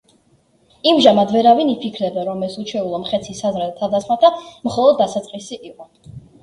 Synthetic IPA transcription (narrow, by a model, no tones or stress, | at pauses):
imʒamad̪vɛɾavinipʰikʰɾɛb̪ɛɾɔmɛsut͡ʃʰwɛulˠɔmχɛt̪sʰisazɾɛlt̪ʰad̪asmat̪ʰamχɔlˠɔd̪ːasat̪sʼqʼisiʔiqʼɔ